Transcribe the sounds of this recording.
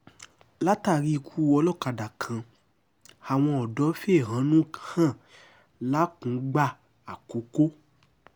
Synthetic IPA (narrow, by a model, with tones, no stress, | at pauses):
la˦ta˦˨ɾi˧kʰu˦ɔ˧lɔ˦˨ka˨da˨kʰã˨ | a˨w̃ɔ̃˧ɔ˨dɔ˨˦fe˦˨ɦã˨˦nũ˦hã˦˨ | la˦kũ˨˦ɡ͡ba˦˨ | a˨ko˨˦ko˦